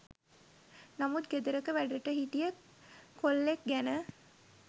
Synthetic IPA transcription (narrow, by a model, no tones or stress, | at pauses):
namut̪̚ɡed̪uɾəkəʋæɖəʈəɦiʈijə | kolːek̚ɡænə